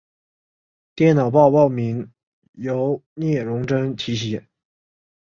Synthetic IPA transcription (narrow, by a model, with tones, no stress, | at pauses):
t̪jɛ˥˩nɑ˨˩ʊpɑ˥˧ʊpɑ˥˩ʊmi˧˥ŋ | jo˧˥ʊnjɛ˥˩ɻʊ˧˥ŋʈ͡ʂə˥ŋt̪ʰi˧˥ɕ̬ɛ˧˥